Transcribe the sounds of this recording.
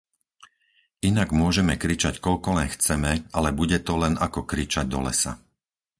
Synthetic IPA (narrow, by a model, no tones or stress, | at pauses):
inaɡmʊɔʒɛmɛkɾit͡ʃackɔʎkɔlɛnxt͡sɛmɛalɛbuɟɛt̪ɔlɛnakɔkɾit͡ʃaɟ̚d̪ɔ̰lɛ̰sa̰